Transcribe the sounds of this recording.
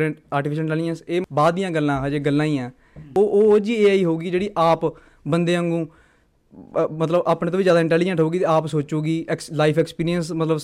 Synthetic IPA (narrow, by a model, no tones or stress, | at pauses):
ɾɛ̃ɳʈaːɾʈiːpʰɪʃənɪɳʈɛːlɪd͡ʒənseːbaːd̪ijãːɡəlːãːɦaːd͡ʒeːɡəlːãːĩːɛ̃ː | oːʔːd͡ʒiːeːiːɦoːɡiːd͡ʒeːɽiːʔaːp | bənd̪eːəŋɡũː | mət̪ləbaːpɳẽːt̪õːid͡ʒjaːd̪aːɪ̃ɳʈɛːlɪd͡ʒə̃ɳʈɦoːɡiːt̪eːaːpsoːt͡ʃuːɡiːɛklaːɪpʰɛːkspiːɾijənsmət̪ləb